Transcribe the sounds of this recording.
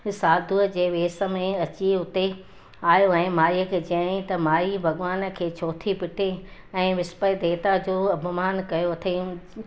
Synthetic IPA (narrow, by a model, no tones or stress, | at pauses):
saːd̪ʱuəd͡ʑeːʋeːsə̆mẽɐt͡ɕiʊt̪e | aːjoɛ̃ːmaːiəkʰeːt͡ɕɐəɽ̃ĩt̪ɐmaːibʱɐɡʋaːnə̆kʰeːt͡ɕʰoːt̪ʰipɪʈʰe | ɛ̃ːʋɪspəid̪eːt̪ad͡ʑoːɐbʱʊmaːnkɐjoɐt̪ʰe